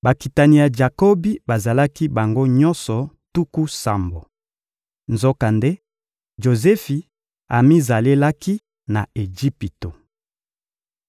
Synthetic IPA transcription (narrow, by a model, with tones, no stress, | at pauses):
ba˨ki˨ta˨ni˨ja˨d͡ʒa˨ko˦bi˦ba˨za˨la˦ki˦ba˨ŋɡo˦ɲɔ̃˦nsɔ˨tu˦ku˦sa˨mbo˨ | nzo˦ka˨nde˦ | ʒo˨zɛ˦fi˨ | a˨mi˦za˨le˦la˦ki˦ | na˨e˨d͡ʒi˦pi˨to˨